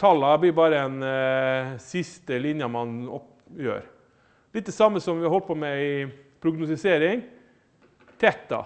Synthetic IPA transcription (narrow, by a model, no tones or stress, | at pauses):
t̪ʰɑlːɑblɪɾbɑːɾəɛn | sɪst̪əlɪnjɑmɑnɔ̰p | jø̰ːɾ | lɪt̪̚d̪ɛsɑmːəsɔmʋɪhɑɾhɔlt̪̚pʰɔmɛɪpʰɾʊɡnʊst̪ɪseːɾɪŋ | t̪ʰɛt̪ːɑ̰